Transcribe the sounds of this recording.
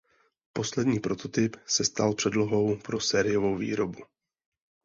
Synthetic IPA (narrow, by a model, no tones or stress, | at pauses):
po̞slɛdɲiːpɾo̞t̪o̞t̪ɪpsɛst̪alpr̝̥ɛdlo̞ɦo̞wpɾo̞sɛːɾɪjovo̞wvḭːɾo̞bu